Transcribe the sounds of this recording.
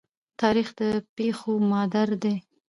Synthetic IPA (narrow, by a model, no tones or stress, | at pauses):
t̪ɑɾixd̪əpexomɑd̪aɾd̪e